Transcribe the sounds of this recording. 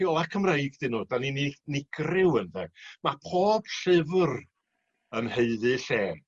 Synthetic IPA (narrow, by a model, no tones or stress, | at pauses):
iɔlˠakʰəmrejɡdɪnːoːdanininɪɡ̥rɪwənðɛmapʰoːb̥ɬɪvr | ənheɨðɨɬɛːm